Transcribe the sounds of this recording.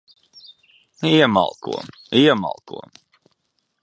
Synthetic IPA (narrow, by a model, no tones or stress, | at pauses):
iɛma̰lˠkṵɔm | iɛma̰lˠkṵɔm